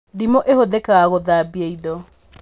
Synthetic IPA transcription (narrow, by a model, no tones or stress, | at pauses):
dimoʔehoðekaɣaɣoðabieidɔ